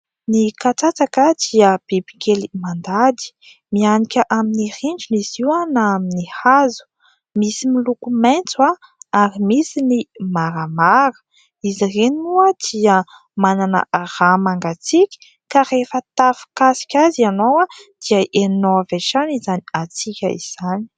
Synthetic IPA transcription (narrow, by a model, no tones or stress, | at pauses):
nikat͡sat͡sakəd̪iəb̥ibi̥kelimand̪ad̪i̥ | mianikʲəʔaminiriɳd͡ʒiniziwanaminihazu̥ | misimilukumejnt͡suwa | aɾimisinimaɾamaɾə̥ | izirenuəd̪̥iə | mananə̰aɾamaŋɡat͡sikʲi̥ | kaɾefət̪afi̥kasi̥kʲazianowad̪̥iəʔenoaveʈ͡ʂanizaniat͡sikʲə̰ḭz̥ani̥